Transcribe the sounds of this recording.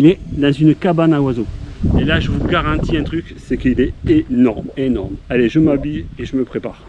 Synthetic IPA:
ilɛd̪ɑ̃zynkabanawazoelaʒəvuɡaʁɑ̃t̪iɛ̃t̪χyksɛkilɛenɔʁmenɔʁmaleʒəmabyjeʒəməpχepaːʁ

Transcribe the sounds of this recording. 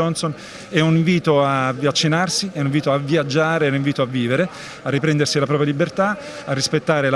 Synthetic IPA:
ɔnson | ɛuniɱviːt̪oavjat͡ʃːenarsiɛuniɱviːt̪oavːjad͡ʒːaːɾeɛniɱviːt̪oavːiːveɾe | arːipɾɛnd̪ersilapɾɔːpjalibert̪a | arːispet̪ːaːɾela

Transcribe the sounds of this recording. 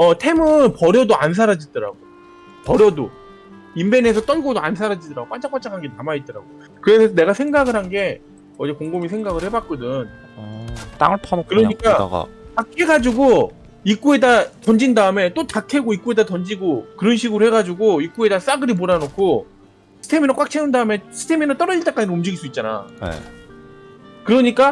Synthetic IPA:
ʌtʰe̞mɯnpʌɾjʌdoans̬ʰaɾad͡ʑidʌɾa̰ɡoj | pʌɾjʌdo̰ | imbe̞ne̞s̬ʰʌt͈ʌnɡodoansʰaɾad͡ʑidʌɾaɡop͈ant͡ɕ͈ak͈ant͡ɕ͈aŋʰaŋɡenamait̚t͈ʌɾa̰ɡo | kɯɾe̞sʰʌne̞ɡasʰe̞ŋɡaɡɯɾɦhanɡe̞ | ʌd͡ʑekoŋɡomis̬ʰe̞ŋɡaɡɯɭhe̞bat̚k͈odɯn | t͈a̰ŋɯɭpʰʌkɯɾʌɲikk͈aa̰a̰kakʰe̞ɡad͡ʑuɡo | ik͈uedatʌnd͡ʑindaɯme̞t͈otakʰe̞ɡoik͈ue̞datʌnd͡ʑiɡokɯɾʌnɕʰiɡɯɾoheɡad͡ʑuɡoik͈ue̞das͈aɡɯɾimoɾanokʰo | sʰɯ̥tʰe̞minak͈ak̚t͡ɕʰeundaɯme̞sʰɯ̥tʰe̞minat͈ʌɾʌd͡ʑiɭt͈ak͈ad͡ʑinnumd͡ʑiɡiɭs͈uit̚t͡ɕ͈ana̰nḛ | kɯɾʌɲik͈a

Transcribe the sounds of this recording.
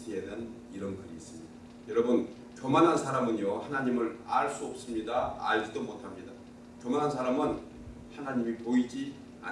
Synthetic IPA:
iedan | iɾʌnɡʌɾiːs͈ɯmɲida | jʌɾʌbɯn | kjomanɦansʰaɾamɯnjʌhanaɲimɯɾaɭs͈uʌp̚s͈ɯmɲida̰ːɭd͡ʑidomotʰamɲida | kjomanɦansʰaɾamɯn | hanaɲimipoid͡ʑi | a̰

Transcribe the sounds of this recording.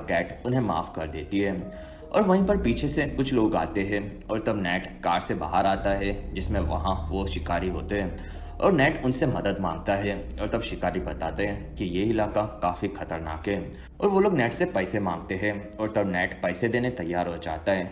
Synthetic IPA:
kɛːʈʊnɦẽma̰ːfkɐɾd̪ḛːt̪iɦɛː | ɔ̰ːɾʋɐɦĩpɐɾpiːt͡ʃʰesekʊt͡ʃʰloːɡa̰ːt̪eɦɛ̃ | ɔːɾt̪ɐbnɛːʈkaːɾseba̰ːɦəɾaːt̪aɦɛd͡ʒɪsmẽʋɐ̰ɦãʋoʃɪkaːɾiɦo̰ːt̪eɦɛ̃ː | ɔ̰ːɾnɛːʈʊnsemɐd̪əd̪mã̰ːŋɡ̚t̪aɦɛ | ɔːɾt̪ɐbʃɪkaːɾibɐt̪a̰ːt̪eɦɛ̃ːkijeɪlaːkakaːfixɐt̪əɾna̰ːkɦɛː | ɔ̰ːɾʋoloːɡnɛːʈsepɛːɪsemãːŋɡ̚t̪eɦɛ̃ | ɔːɾt̪ɐbnɛːʈpɛːɪsed̪eːnet̪ɐjːaːɾɦod͡ʒa̰ːt̪aɦɛː

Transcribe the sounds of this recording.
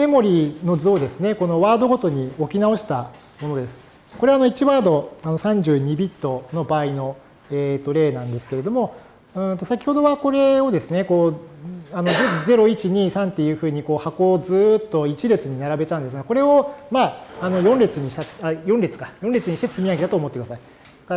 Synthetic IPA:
me̞mo̞ɾʲino̞zoːd̪e̞sɨne̞ko̞no̞βaːd̪o̞ɡo̞t̪o̞ɲ̟io̞kʲinao̞ɕi̥t̪a | mo̞no̞d̪e̞sɨ̥ | ko̞ɾe̞ano̞it͡ɕiβaːd̪o̞anosãɲ̟d͡ʑɨːɲ̟ibʲit̪ːo̞no̞baːino̞ | eːt̪ːo̞ɾe̞ːnãnd̪e̞sɨ̥ke̞ɾe̞d̪o̞mo̞ | ɯ̟̃ːt̪o̞sakʲi̥ho̞d̪o̞βako̞ɾe̞o̞d̪e̞sɨne̞ko̞ː | ano̞ze̞ɾo̞it͡ɕiɲ̟iːsãnt̪ːe̞jɯ̟ːɸɯ̟ːɲ̟iko̞ːhako̞ːzɨːt̪ːo̞it͡ɕiɾet͡sɨɲ̟inaɾabe̞t̪ãnd̪es̬ɨɡako̞ɾe̞o̞maːno̞jõ̞nɾʲet͡sɨɲ̟iɕt̪aajõnɾet͡sɨ̥kajõ̞nɾʲet͡sɨɲ̟iɕit̪et͡sɨmʲijaɡe̞d̪at̪oːmo̞t̪ːekɯd̪asai | ka

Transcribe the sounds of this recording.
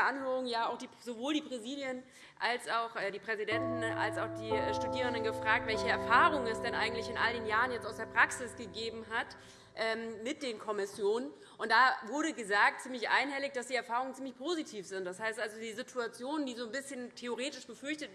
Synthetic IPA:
ʔanhøːʁʊŋjaːaʊxd̥iːzovoːldiːpʁ̥iziːljən | ʔalsaʊxʔɛːdiːpʁ̥ɛzidɛntnn̩a̰lsaʊxd̥iːɛʃtudiːʁəndənɡəfʁ̥aːk̚tv̥ɛlçəɛɐfaːʁ̞ʊŋənɛsd̥ɛnʔa̰ɪɡŋ̩tlɪçɪnʔa̰ldeːnjaːʁ̞ənjɛt͡staʊsd̥eːɐpʁ̥aksɪsɡ̥əɡeːbm̩ɦat | ʔɛːmmɪt̚d̥eːnkʰɔmɪsjoːnən | ʔʊntd̥aːvʊɐɾəɡəzaːk̚tt͡siːmlɪçʔa̰ɪnɦɛlɪçd̥asd̥iːɛɐfaːʁʊŋənt͡siːmlɪçpʰozitʰiːfz̥ɪnt̚d̥ashaɪstʔalzodiːzitʰuat͡sjoːnəndiːzoːnbɪsçəntʰeoʁ̞eːtɪʃb̥əfʏɐçtət

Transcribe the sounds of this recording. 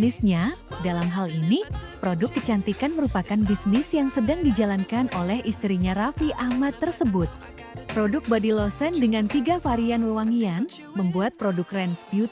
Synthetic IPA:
nɪsɲadalamɦalinipɾodʊkːət͡ʃant̪ikanməɾupakanbisnɪsjaŋsədaŋdid͡ʒalankanʔolɛhist̪ɾiɲaɾafiʔahmat̪ːərsəbʊt̪̚ | pɾodʊk̚badilosɛndəŋant̪iɡafaɾianwəwaŋian | məmbuat̪̚pɾodʊkrɛnspjut̪̚

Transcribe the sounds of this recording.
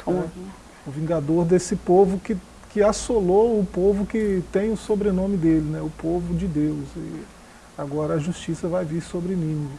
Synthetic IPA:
t̪onɛ | ʊvĩŋɡad̪oɾd̪esɪpovʊkɪ | kɪasoloʊpovʊkɪt̪ẽj̃ʊsobɾenõmɪd̪elɪnɛʊpovʊd͡ʒɪd̪ewsɪ̰ | aɡɔɾɐɐʒust͡ʃisɐvajviɾsobɾɪnĩmi

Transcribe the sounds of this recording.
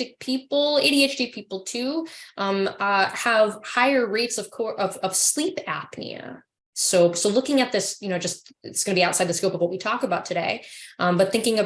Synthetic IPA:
tɨk̚pʰipl̩ˠeɪɾieɪt͡ʃd̥ipʰipl̩ˠtʰʉʔʌ̃mʌəv̥haɪə˞ɹeɪtsʌv̥kʰɔɹʔʌv̥ʌv̥slipæ̰pnḭɨ̰ | soʊsoʊlʊkɪ̃ŋɨt̪̚ðɪsjɨnoʊd͡ʒʌst̚ɪ̰tsɡ̥ʌnɨbiaʊtsaɪd̪ðskoʊpʌvwʌt̚witʰɔkɨbaʊtʰɨɾeɪʔʌ̃mbʌt̪̚θɪ̃ŋkɪ̃ŋʌ

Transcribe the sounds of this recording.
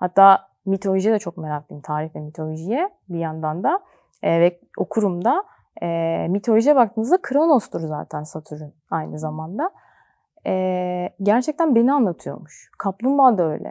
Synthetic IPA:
hat̪ʰːaː | mit̪ʰo̞lʲoʒijɛd̪ɛt͡ʃʰo̞k̚meɾak̚lˠimt̪ʰaːɾifvɛmit̪ʰo̞lʲoʒijɛ | bijand̪and̪a | vɛ | o̞kʰuɾumd̪a | ɛmit̪ʰo̞lʲoʒijɛbak̚t̪ʰɯːnɯzd̪akʰɯɾanost̪ʰuɾza̰ːt̪ʰænsat̪ʰyɾunajnɯzamand̪a | ɛɟæɾt͡ʃʰɛc̚t̪ʰænbe̞nianlˠat̪ʰɯjo̰muʃkʰaplˠumbalˠd̪aø̞jlʲʔɛ̰

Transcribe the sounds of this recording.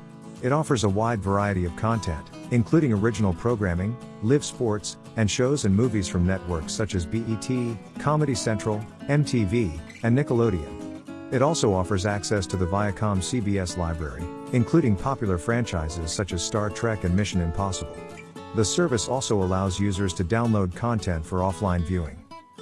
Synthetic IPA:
ɨɾɔfə˞zəwaɪdvə˞aɪɨɾiʌv̥kʰɑ̃ntʰɛ̃ntɨ̃nkʰl̥ʉɾɪ̃ŋə˞ɪd͡ʒɨn̩l̩ˠpʰɹ̥oʊɡɹæ̃mɪ̃ŋ | lɪv̥spɔɹts | ɨ̃nʃoʊzɨ̃nmuviz̥fɹʌ̃mnɛt̚wɜ˞ksʌt͡ʃɨzbiʔitʰikʰɑmɨɾisɛ̃nt͡ʃɹ̥l̩ˠɛ̃mtʰivi | ɨ̃nːɪkəloʊɾiɨ̰̃m | ɨɾɔlˠsoʊɔfə˞zæksɛstʰɨðɨvaɪɨkʰɑ̃msibiɛslaɪbɹɛ̰ɹi | ɨ̃nkʰl̥ʉɾɪ̃ŋpʰɑpjl̩ˠə˞fɹæ̃nt͡ʃaɪzɪz̥sʌt͡ʃɨz̥stɑɹtʰɹ̥ɛkɨ̃nmɪʃɨ̃nɨ̃mpʰɑsəbl̩ˠ | ðɨsɜ˞vɨsɔlˠsoʊəlaʊzjʉzə˞z̥tʰɨdãʊ̃nloʊd̚kʰɑ̃ntʰɛ̃ntfə˞ɔflãɪ̃nvjʉɪ̰̃ŋ

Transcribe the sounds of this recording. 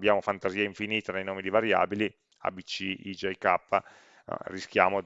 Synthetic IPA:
bjaːmofant̪aziːaiɱfiniːt̪anejnoːmid̪ivaɾja̰ːbili | a̰bit͡ʃiid͡ʒejkapː | risk̟ja̰ːmo

